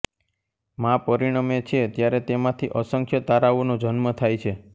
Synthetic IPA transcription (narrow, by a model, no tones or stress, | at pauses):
mãpəɾiɽ̃amet͡ʃʰet̪jaɾet̪emãt̪ʰiʔəsəŋkʰjət̪aɾaʋonod͡ʒənmət̪ʰajt͡ʃʰe